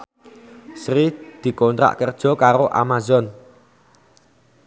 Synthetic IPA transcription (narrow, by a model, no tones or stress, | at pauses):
sɾid̪̥i̤kont̪ɾa̰ʔkərd̥ʒ̥ɔ̤kaɾoʔa̰mazɔn